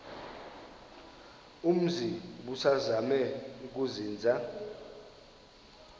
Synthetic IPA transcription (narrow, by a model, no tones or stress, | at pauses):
um̩ziɓusazamɛuk̬uziːnd͡zʱa